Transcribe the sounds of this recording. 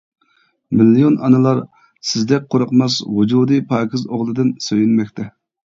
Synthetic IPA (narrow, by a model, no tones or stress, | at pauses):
milːijonɑnɨlˠɑɾ | sɪzd̪ɛk̚ʲqʰoɾəqmɑshud͡ʒuːd̪ɨpʰɑːkʲʰɪzoʁlˠɨd̪ɨnsøjynmɛkʲt̪ʰɛ